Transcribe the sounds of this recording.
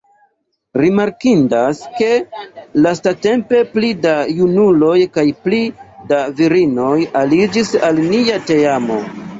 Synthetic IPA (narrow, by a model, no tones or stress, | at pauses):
ɾimaɾkindaske̞lastate̞mpe̞plidajunulo̞jkajplidaviɾino̞jalid͡ʒisalniate̞amo̞̰